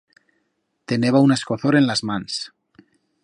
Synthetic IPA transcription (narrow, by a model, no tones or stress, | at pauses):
t̪eneβauneskoθoɾenlazmans